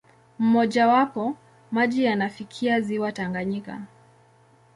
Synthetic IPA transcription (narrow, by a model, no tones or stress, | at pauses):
m̩mɔʄawapɔ | maʄijanafikʰiaziwataŋɡaɲika̰